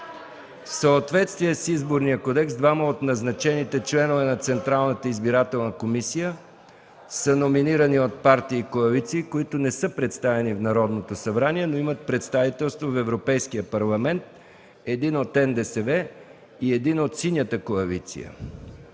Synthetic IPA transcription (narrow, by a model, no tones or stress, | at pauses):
fsəot̪vɛt̪st̪viɛsizboɾnijəkod̪ɛksd̪vaməot̪nɐznɐt͡ʃɛnit̪ɛt͡ʃlɛnovɛnɐt̪sɛnt̪ɾalˠnət̪əizbiɾat̪ɛlˠnəkomisijə | sənominiɾəniot̪̚paɾt̪iːkoɐlit̪siːkoit̪ʊnɛsɤpɾɛt̪st̪avɛnifnɐɾɔd̪not̪osɐbɾaniɛnoimət̪̚pɾɛt̪st̪avit̪ɛlˠst̪vofɛvɾopɛjskijəpɐɾlˠɐmɛnt̪̚ | ɛd̪inot̪ɛnd̪ɛsɛvɛ | iɛd̪inot̪sinʲjət̪əkoɐlit̪sḭjə̰